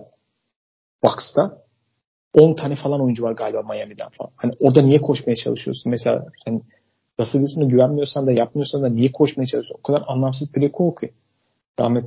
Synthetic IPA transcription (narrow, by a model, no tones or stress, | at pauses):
vakst̪ʰa | o̞nt̪ʰanɛfalˠano̞jund͡ʒuvaɾɡaːlʲibamajamid̪æ̰nfa̰lˠanhaniʔo̞ɾd̪anijɛkʰo̞ʃmajat͡ʃʰalˠɯʃɯjoɾsunmɛselʲa̰hani | j̪asɯld̪ɯsunɯɟyvænmijo̞ɾsand̪ajap̚mɯjo̞ɾsand̪anijɛkʰo̞ʃmajat͡ʃʰalˠɯosunokʰad̪aɾanlˠams̬ɯzpʰlʲekʰolkʰɯ | ɾa̰hmɛt̪